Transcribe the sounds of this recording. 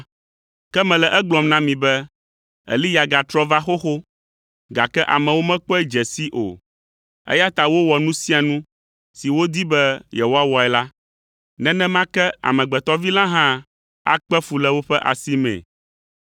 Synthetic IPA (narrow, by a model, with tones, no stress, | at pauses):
kɛ˦mɛ̃˨lɛ˨ʔɛ˦ɡ͡blɔ˨mnã˦mĩ˨bɛ˦ | ɛ̰˨li˦ja˨ɡa˨t̪ɾɔ˦va˦xo˦xo˦ | ɡa˨kɛ˦ʔa̰˨mɛ̃˨wo˦mɛ̃˦k͡pɛ˦d͡ʒɛ˨si˦ʔo̰˨ | ɛ̰˦ja˦t̪a˨wo˦wɔ˨nũ˦si˦a˨nũ˦ | si˨wo˦d̪i˦bɛ˦jɛ˨wo˦a˦wɔ˨ɛ˦la˦ | nɛ̃˦nɛ̃˦mã˦kɛ˦a̰˨mɛ̃˨ɡ͡bɛ˨t̪ɔ˦vi˦lã˦ɦã˦ | a̰˦k͡pɛ˦fu˨lɛ˦wo˦ɸɛ˦ʔa̰˨si˦mɛ̰̃˨